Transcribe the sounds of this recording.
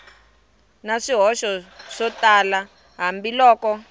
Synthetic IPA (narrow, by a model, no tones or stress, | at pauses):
naʂiɦɔʃɔʂɔtala | ɦambilɔːkɔ